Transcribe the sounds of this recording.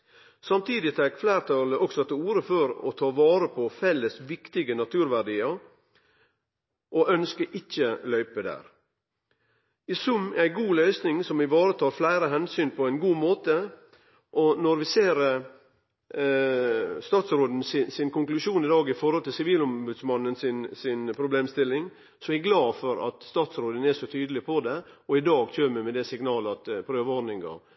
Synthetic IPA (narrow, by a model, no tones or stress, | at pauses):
sɑmt̪ʰiːd̪ɪt̪ʰɛkflæɪɾt̪ʰɑləʔɔksɔɑt̪ɪuːɾəføɾɔt̪ʰɑːʋɑːɾəpʰɔfɛlːəsʋɪkt̪ɪɡənɑt̪ʰʉːɾʋæɖiːəɾ | ʔɔʔœnskəʔɪçːəlœʏpəd̪æ̰ːɾ | ɪsʉmːæɪɡuːlœʏsnɪŋsɔmɪʋɑːɾət̪ʰɑːɾflæɪɾəɦɛnsyːnpʰɔæɪnɡuːmoːt̪ə | ʔɔnɔɾʋɪseːɾ | st̪ɑːt̪sɾoːd̪ən̩sɪsɪnkʊŋklʉʂuːnɪd̪ɑːɡɪfɔɾhɔlt̪ʰɪlsɪʋiːlɔmbʉd̪smɑnːənsɪnsɪnpʰɾʊbleːmst̪ɪlːɪŋ | sɔæɡlɑːfɔɾɑ̰t̪st̪ɑːt̪sɾoːd̪ənæʂɔt̪ʰyːd̪əlɪpʰɔd̪ɛɔɪd̪ɑːɡc͡çʰøːməmɛd̪ɛsɪɡnɑːləɑt̪pʰɾøːʋəɔnɪŋɡɑ̰